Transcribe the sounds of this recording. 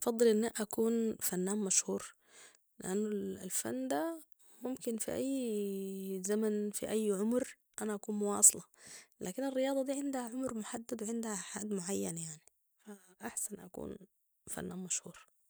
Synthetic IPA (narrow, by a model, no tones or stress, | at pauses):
ʔɑfɑd̪ˤːɨlʔɪnːaʔʔakuːnfanːaːmmaʃhuːɾ | lɪ̰ʔanːʊlfa̰nːd̪a | mʊmkɪnfḭʔa̰jː | zamanfḭʔajːʕʊmɾ | ʔanaʔakuːnmʊwɑ̰ːsˤlɑla̰ːkɪnɪrːɪjɑːd̪ˤɑd̪iːʕɪnd̪haʕʊmɾmʊħad̪ːad̪wɪʕɪnd̪haħa̰ːd̪mʊʕajːanjaʕni | faʔaħsanʔakṵːn | fa̰nːaːnmaʃhuːɾ